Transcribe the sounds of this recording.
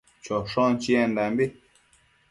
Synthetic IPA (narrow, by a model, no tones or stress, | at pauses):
t͡ʃʰɔʂɔ̃nt͡ʃiɛ̃nd̪ambi